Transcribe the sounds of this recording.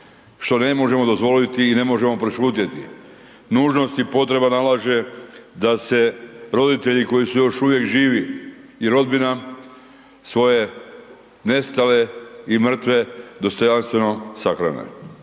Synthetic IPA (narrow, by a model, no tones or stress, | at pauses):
ʃt̪o̞ne̞mo̞ʒe̞mo̞d̪o̞zʋo̞lit̪iːne̞mo̞ʒe̞mo̞pɾeʃut̪jet̪ḭ | nuːʒno̞st̪ipo̞t̪ɾe̞banalaʒe̞d̪ase̞ɾo̞d̪it̪eʎiko̞jisujo̞ʃuʋje̞kʒiːʋiiɾo̞d̪bina | sʋo̞je̞ | ne̞st̪aleimr̩t̪ʋe̞d̪o̞st̪o̞janst̪ʋe̞no̞saxɾa̰nḛ